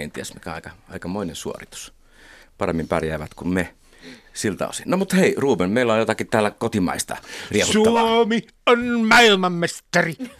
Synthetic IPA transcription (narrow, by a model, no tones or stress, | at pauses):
ent̪iæsmikæɑˑikɑɑˑikɑmoˑinensuo̰rit̪u̥s | pɑremːimpærjæːʋæt̪kunne | silt̪ɑ̰o̰sinnomut̪heiruːmenmeˑilːˑæojjot̪ɑkit̪æːlːækot̪imɑ̰ˑist̪ɑ̰riehutsuːɑomi | onmɑilmɑmːest̪ɑri